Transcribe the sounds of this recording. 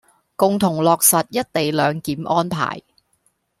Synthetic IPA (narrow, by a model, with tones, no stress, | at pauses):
kʊ˨ŋt̪ʰʊ˨˩ŋlɔː˨˧k̚sɐ˨t̚jɐ˥t̚t̪e˨jlœː˨˧ŋkiː˨˥mʔɔː˥npʰa̰ː˨˩j